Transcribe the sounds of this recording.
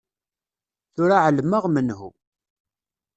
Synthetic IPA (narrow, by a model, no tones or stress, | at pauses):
θʊɾaʕlmːəʁmənɦṵ